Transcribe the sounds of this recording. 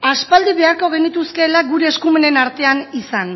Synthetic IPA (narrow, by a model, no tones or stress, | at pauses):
aspald̪iβe̞aɾko̞ɣ̞e̞nit̪uske̞laɡuɾe̞ːskume̞ne̞naɾt̪e̞anisan